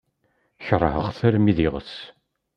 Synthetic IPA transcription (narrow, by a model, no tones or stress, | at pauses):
çrˤːəhəʁθæɾmiðiʁə̰s